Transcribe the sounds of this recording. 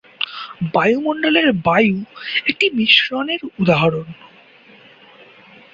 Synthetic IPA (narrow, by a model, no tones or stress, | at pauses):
bajumoɳɖoleɾbajuek̚ʈimiʃɾoneɾud̪aɦaɾon